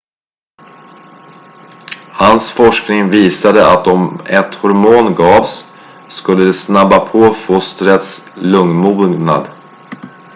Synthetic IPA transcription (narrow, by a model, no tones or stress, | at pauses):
hansfɔʂknɪŋviːsad̪əʔat̪ɔmɛt̪hʊɾmuːnɡɑːvsː | kɵlːəd̪ɛsnabːapʰoːfost̪ɾət̪slɵŋnmuːɡna̰d̪